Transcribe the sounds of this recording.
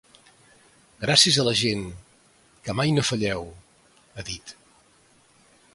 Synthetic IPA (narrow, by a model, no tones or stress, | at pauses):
ɡɾasiəzələʒen | kəmajnofəʎɛw | əðit̪